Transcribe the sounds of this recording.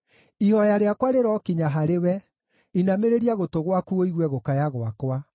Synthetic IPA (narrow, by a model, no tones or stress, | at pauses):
ihɔjaɾeakwaɾeɾɔkiɲaɦaɾewɛ | inameɾeɾiaɣotoɣwakuoiɣwɛɣokajaɣwakwa